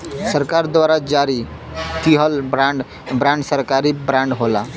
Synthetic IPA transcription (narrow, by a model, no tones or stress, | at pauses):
səɾkaɾd̪ʋaɾad͡ʒaɾi | kiɦəlbɾãɳɖ | bɾãɳɖsəɾkaɾibɾãɳɖɦola